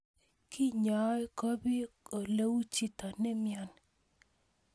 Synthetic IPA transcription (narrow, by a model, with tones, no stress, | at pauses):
kʰi˦ɲɔ˨ɛ˦kɔ˦bi˦o˨le˦wu˦t͡ʃi˦t̪ɔ˨nɛ˦mjɔ˨n